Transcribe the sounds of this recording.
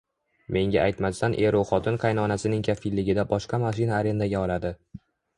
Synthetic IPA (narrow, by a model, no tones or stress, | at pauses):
me̞ŋɡʲaajt̪mast̪anʔe̞ɾoχɒt̪ʰɪnqʰɑjnɒnasɪnɪŋkʲʰafilːɪɡʲɪd̪abɒʃqɑmaʃ̬ɪnaːɾe̞nd̪aɡʲaɒlad̪ɪ